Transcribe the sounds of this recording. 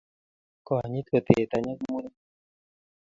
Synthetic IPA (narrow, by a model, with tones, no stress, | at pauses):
kɔ˨a˨ɲi˦t̪kə˨t̪ḛ˨t̪a˧ɲa˦k̚mu˦ni˦